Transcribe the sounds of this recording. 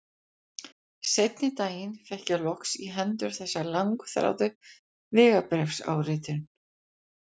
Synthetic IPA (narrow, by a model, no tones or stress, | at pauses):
sejt̪nɪt̪aːjɪnfɛhcalɔksiɦɛnt̪ʏɾ̥θɛsːalaŋkθɾa̰wt̪ʏ | vɪːɣapɾɛfsa̰wɾɪːt̪ɪn